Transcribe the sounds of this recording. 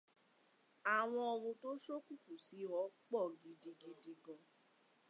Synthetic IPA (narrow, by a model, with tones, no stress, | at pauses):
a˨w̃ɔ̃˧ɔ˧ɾ̃ũ˧to˦so˦ku˦˨ku˨si˨˦ɔ˨˦k͡pɔ˦˨ɡi˧di˧di˧di˧ɡɔ̃˧